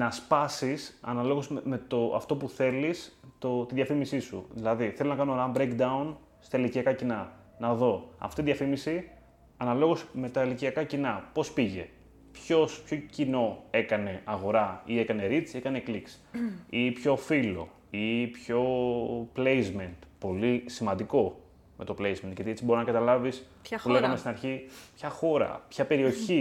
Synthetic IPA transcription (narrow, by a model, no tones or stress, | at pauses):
nɐspɐsisɐ̰nɐlo̞ɣozme̞t̪oɐ̰ft̪o̞puθe̞list̪ot̪iðjɐfimisisṵðilɐðiθelonɐkɐnoɾɐmbɾeŋkd̪ɐun | st̪ɐiliciɐkɐcinɐ | nɐðo̞ɐ̰ft̪otiðjɐfimisi | ɐnɐlo̞ɣo̞sme̞t̪ɐiliciɐkɐcinɐpo̞spiʝe̞ | pçospço̞cino̞e̞kɐne̞ɐɣo̞ɾɐie̞kɐne̞ɾit͡sie̞kɐne̞kliks | ipço̞filo̞ | ipço̞plejzme̞nt̪po̞lisimɐnd̪iko̞ | me̞t̪ople̞jzment̪ʝɐt̪iet͡sibo̞ɾinɐkɐt̪ɐlɐvis | puleɣɐmest̪inɐɾçipçɐxo̞ɾɐ̰pçɐpe̞ɾio̞çi